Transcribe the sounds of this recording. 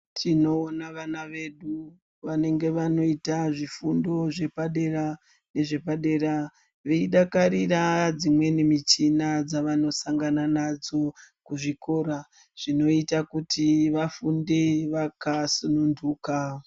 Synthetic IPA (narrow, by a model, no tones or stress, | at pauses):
tʰino̞ːnaʋanaʋe̞ɗu | ʋane̞ŋɡe̞ʋano̞itaʐifundo̞ʐe̞paɗe̞ɾa | ne̞ʐe̞paɗe̞ɾa | ʋeiɗakaɾirad͡zimwe̞nimit͡ʃinad͡zaʋano̞saŋɡananad͡zo̞kuʐiko̞ɾa | ʐ̥ino̞itakutiʋafundeʋakasununduːka